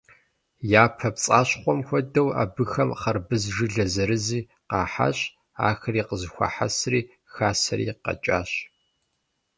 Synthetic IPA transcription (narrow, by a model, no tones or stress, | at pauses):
jaːpʰɐpt͡sʼaːɕχʷɔmxʷɔdɐwa̰ːbɨxɐmχɐrbɨzʒɨɮɐzɐɾɨziː | qɑːħa̰ɕ | a̰ːxɐriːqəzɨxʷɐ̰ħa̰sriː | xaːsɐ̰ɾḭːqɐ̰t͡ʃʼa̰ːɕ